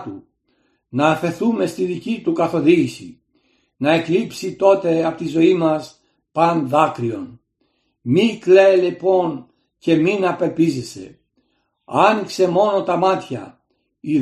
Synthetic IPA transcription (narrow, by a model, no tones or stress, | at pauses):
t̪u | nɐːfe̞ɾθume̞st̪iðicit̪ukɐθo̞ðiʝisḭ | nɐe̞klipsit̪o̞t̪e̞ɐpot̪izo̞imɐs | pɐnðɐkɾio̞̰n | mikle̞ːlipo̞n | ce̞minɐpe̞lpizese̞̰ | ɐnikse̞mo̞no̞t̪ɐmɐt̪çɐ̰ | i